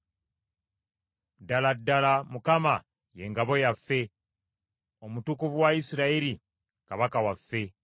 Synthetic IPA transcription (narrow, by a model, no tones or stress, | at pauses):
daladːalamukama | je̞ŋɡaβo̞jafːe̞ | o̞mutukuvuwaisiɾaiɾi | kaβakawafːe̞